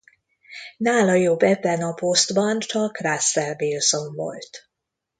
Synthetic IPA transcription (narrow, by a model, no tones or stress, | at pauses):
naːlɒjobːɛbːɛnɒpost̪bɒnt͡ʃɒkrasːɛrvilzo̞ɱvo̰lt̪